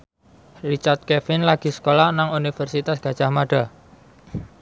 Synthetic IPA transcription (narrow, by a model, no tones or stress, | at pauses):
lit͡ʃart̪̚kɛfɪnlaɡ̥i̤sə̥kolahnaŋunifərsit̪asɡ̥ä̤d̥ʒ̥ahmaɖ̥a